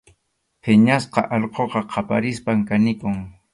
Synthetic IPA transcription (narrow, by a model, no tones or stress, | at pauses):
pʰɪɲasqɑ̰ʔɑʎqʰoqɑqʰɑpa̰ɾɪspaŋkanɪkʊŋ